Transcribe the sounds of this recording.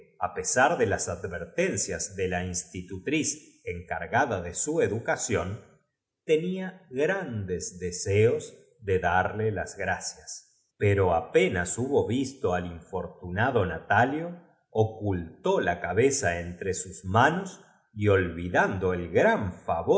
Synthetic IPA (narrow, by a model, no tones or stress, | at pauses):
apesaɾðelasad̪βeɾt̪ensjazðelainst̪it̪ut̪ɾis | eŋka̰ɾɣaðaðe̞sue̞ðukasjo̞n | t̪eniaɣɾand̪ezðeseoz | ðe̞ðaɾlelazɣɾasjas | peɾo̞apenasuβo̞βist̪o̞aliɱfo̞ɾt̪unaðo̞nat̪aljo̞ː | kult̪o̞lakaβesaent̪ɾesuzmanos | io̞lβiðand̪o̞elɣɾaɱfa̰βo